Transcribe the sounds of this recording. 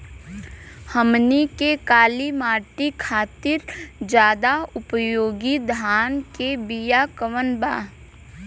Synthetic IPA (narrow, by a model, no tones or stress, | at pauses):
həmnikekaːlimaːʈikʰaːt̪ɪɾd͡ʒjaːd̪aʊpəjoːɡid̪ʱaːnkebijakəʋənba̰ː